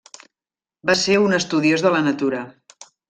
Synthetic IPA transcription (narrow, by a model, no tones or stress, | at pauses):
baseunəst̪uðiozðələnət̪uɾə